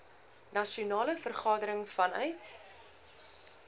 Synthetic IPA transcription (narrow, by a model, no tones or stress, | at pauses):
nɐʃiunɑːləfərχɑːdəɾəŋfɐnœɥt